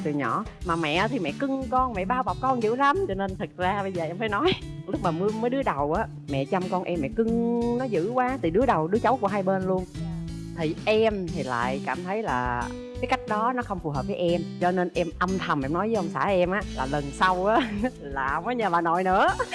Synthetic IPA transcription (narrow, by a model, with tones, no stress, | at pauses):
t̪ɨ˨˩ɲɔ̰˧˩˦maː˨˩mɛ̰˧˨ʔa˨˦t̪ʰi˨˩mɛ̰˧˨kɨ˧ŋkɔ˧nmɛ̰˧˨ɓaː˧wɓa˨˩k͡p̚kɔ˧nzɨ̰˧˥la˨˦mt͡ɕɔ˧ne˧nt̪ʰɨ˨˩k̚zaː˧ɓə˧jzəː˨˩ʔɛ˧mfaː˧˩jnɔ˨˦j | lʊ˦˥k͡p̚maː˨˩mɨ˨˦əməː˨˦jɗɨ˨˦əɗə˨˩wʔaː˨˦ | mɛ̰˧˨t͡ɕa˧mkɔ˧nʔɛ˧mːɛ̰˧˨kɨ˧ŋnɔ˨˦zɨ̰˧˥kwaː˨˦t̪ɨ˨˩ɗɨ˨˦əɗə˨˩wɗɨ˨˦ət͡ɕa˨˦wku˧˩əɦaː˧jɓeː˧nlu˧ən | t̪ʰi˨˩ʔɛ˧mt̪ʰi˨˩la̰ː˧˨jkaː˧˩mt̪ʰə˨˦jlaː˨˩ | kaː˨˦ka˦˥jk̟̚ɗɔ˨˦nɔ˨˦xə˧wŋ͡mfu˨˩ɦəː˨˩p̚vəː˨˦jʔɛ˧mt͡ɕɔ˧ne˧nʔɛ˧mʔə˧mt̪ʰə˨˩mʔɛ̰˧mnɔ˨˦jə˨˦ʔə˧wŋ͡msa̰ː˧˩ʔɛ˧mʔaː˨˦laː˨˩lə˨˩nsa˧wʔaː˨˥ | laː˨˩˧wməː˨˦jɲəː˨˩vaː˨˩no̰˧˨jnɨ̰˧˥ə